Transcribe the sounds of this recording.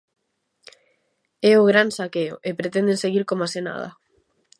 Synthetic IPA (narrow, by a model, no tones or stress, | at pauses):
ɛʊɣ̞ɾansakeʊ̰ʔepɾet̪ɛnd̪ẽseɣiɾkomasena̰ðɐ̰